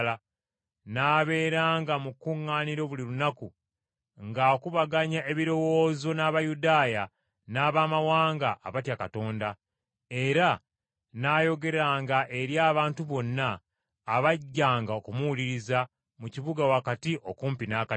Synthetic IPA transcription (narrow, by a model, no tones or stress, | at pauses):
la | naːβe̞ːɾaːŋɡamukuŋːaːniɾo̞βuliɾunaku | ŋɡaokuβaɡaɲae̞βiɾo̞wo̞ːzo̞naːβajudaːja | naːβaːmawaːŋɡaʔːβatjakato̞ːnda | e̞ɾa | naːjo̞ɡe̞ɾaːŋɡaʔe̞ɾjaːβaːntuβo̞nːaː | βaɟːaːŋɡaokumuwuliɾiza | muciβuɡawakatiʔo̞kuːmpinaka